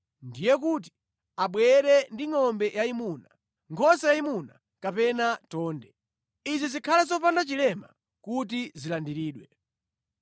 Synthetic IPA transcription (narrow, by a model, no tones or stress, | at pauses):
ndijɛkuːt̬i̥ | aɓwɛɾɛndiŋɔmbɛjaimuna | ŋkʰɔsajaimuna | kapɛnatɔːndɛ | izizikʰalazɔpandat͡ʃilɛma̰ | kut̬izilandiɾiːɗwɛ